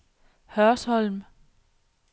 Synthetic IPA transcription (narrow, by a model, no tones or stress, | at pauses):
hœɐshɒlm